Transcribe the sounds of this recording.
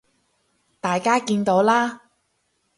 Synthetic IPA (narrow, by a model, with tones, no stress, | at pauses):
t̪aː˨jkaː˥kiː˧nt̪o˨˥wlaː˥